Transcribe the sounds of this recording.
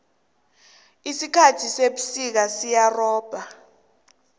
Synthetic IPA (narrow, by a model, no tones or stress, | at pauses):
isikʰatʰiseɓusik̬asijarɔːb̥ʱa